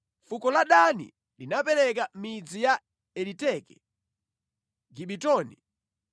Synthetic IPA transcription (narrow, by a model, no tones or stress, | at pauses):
fukɔlaɗanḭ | linapɛɾɛk̬amid͡zija | ɛlitɛkɛ | ɡiɓitɔːnḭ